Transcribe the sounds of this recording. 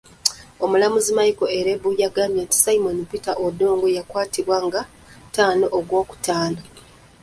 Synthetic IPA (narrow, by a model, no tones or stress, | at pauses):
omulamuzimajiko̞eɾebujaɡamjenti̥saimonipitaʔodo̞ːŋɡojakwaːtiβwaŋɡa | taːno̞ʔːɡwo̞ːku̥tʰaːna